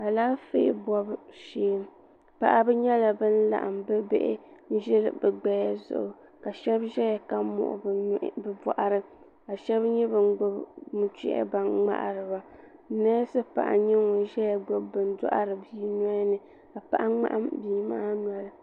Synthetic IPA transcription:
a˨laː˦fḛ˦bɔ˦bʃeː˦m | pa̰˦ʔa˦bɨ˦ɲɛ˦la˨bɨ˦n̩˦la̰˨ʔa˨mbɨ˦bḛ˦ʔɪ̰˦n̩˦ʒɛ˦lɨ˨bɨ˨ɡ͡bɛ˦ja˦zʊ̰˨ʔʊ˨ | ka˨ʃɛ˦bʒɛ˦ja˨ka˦mʊ̰˨ʔʊ̰˨bɨ˨bɔ̰˨ʔa˨ɾɨ˦ | ka˨ʃɛ˦bɲɛ˦bɨ˨n˦mu˨t͡ʃḭ˦ʔɛ̰˦ba˨nŋ͡ma̰˦ʔɾɨ˨ba˨˦nɛ˦sɨ˦pa̰˨ʔa̰˨ɲɛ˦ŋɔ˨ʒɛ˦ja˨ɡ͡bo˦bɨ˨n˦dɔ̰˦ʔa̰˦ɾɨ˨biː˦nɔ˦nɨ˨ | ka˨pa̰˦ʔa˦ŋ͡ma̰˦ʔa˦mbiː˨˦maː˦nɔ˨lɨ˦

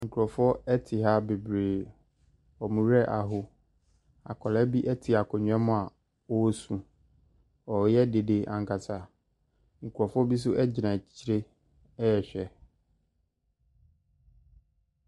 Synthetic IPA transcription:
ŋ̩˨kʰu˨ɾɔ˨fʊ˦ɔ˦ɛ˦tʰɪ˨ɦa˦be˨bɾeː˨ | ɔ˨mũ˨ɾɛ˦ʔa˨ɦʊ˦ | a̰˨kʰɔ˨lɛ˦bi˦ʔɛ˦tʰɪ˨a˨kʰɔ˨ɲᶣ˨˦ɛ̃˦mʊ̃˦a˨ | ɔ˦sũ˨ | ɔ˨jɛ˦de˨de˨ʔã˨ŋ˨kʰa˨tʰa˨ | ŋ̩˨kʰu˨ɔ˨fʊ˦ɔ˦bi˦s̬ʊ˦ʔɛ˦d͡ʑɪ˨nã˨t͡ɕʰi˨ɾe˦ | ɛ˦jɛ˨ɕᶣɛ˨

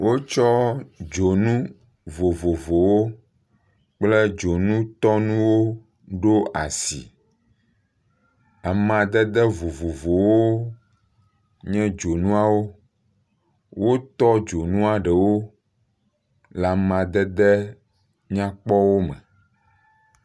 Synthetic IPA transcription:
wʔo˦t͡ʃɔ˦d͡ʒo˨nũ˦ | vo˨vo˨vo˨wo˦ | k͡ple˦d͡ʒo˨nũ˦t̪ɔ˦nũ˦wo˦ | ɖo˦ʔa˨sḭ˨ | a˨mã˨d̪ɛ˦d̪ɛ˦vo˨vo˨vo˨wo˦ | ɲɛ̃˦d͡ʒo˨nũ˦a˨wo˦ | wo˦t̪ɔ˦d͡ʒo˨nũ˦a˨ɖɛ˨wo˦ | la˨mã˨d̪ɛ˦d̪ɛ˦ | ɲã˦k͡pɔ˦wo˦mɛ̰̃˨

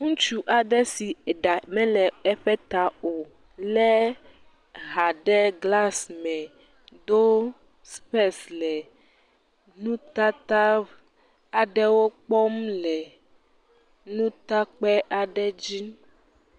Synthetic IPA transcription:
ŋũ˦t͡ʃu˦ʔa˨ɖɛ˦si˨ɖa˨mɛ̃˦lɛ˨ɛ˦ɸɛ˦t̪a˨o˨ | lɛ˦ | ɦa˨ɖɛ˦ɡla˦smɛ̃˨ | d̪o˦ | sɸɛ˦slɛ˨ | nũ˦t̪a˦t̪a˦ | a˨ɖɛ˦wo˦k͡pɔ˦m˦lɛ˨ | nũ˦t̪a˦k͡pɛ˦ʔa˨ɖɛ˦d͡ʑi˦

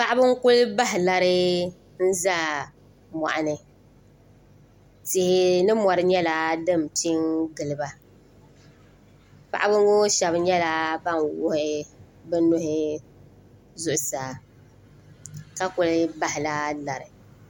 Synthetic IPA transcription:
pa˦ʔa˦bɨ˦ŋ˦kʊ˦lba˦ɦɪ˨la˨ɾɨ˦ | n̩˦za˦ | ma̰˨ʔa˨nɨ˨ | sɪ˦hɪ˦nɨ˦mɔ˨ɾɨ˦ɲɛ˦la˨dɨ˦˨m˨ti˦ŋɡɨ˨lɨ˨ba˨ | pa̰˨ʔa˦bɨ˦ŋ˦ɡo˦ʃa˨bɲɛ˦la˨ba˦ŋwʊ˦hɪɪ˨ | bɨ˦nʊ˦hɪ˦ | zʊ˨ʔʊ˨saː˨ | ka˦kʊ˨lɪ˦ba˦hɪ˨la˦la˨ɾɨ˨

